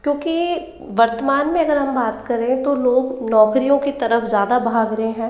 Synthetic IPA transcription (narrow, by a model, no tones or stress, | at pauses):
kjõːki | ʋɐɾt̪əmaːnmẽɐɡəɾɦɐmbaːt̪kɐɾẽt̪oloːɡnɔːkɾijõkit̪ɐɾəfzjaːd̪abʱaːɡɾɐɦeɦɛ̃ː